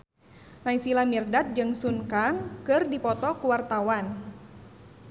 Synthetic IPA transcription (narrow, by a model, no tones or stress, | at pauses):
naisilamirdat̪̚d͡ʒɨŋsunkaŋkɨrdipɔt̪ɔkuwart̪awan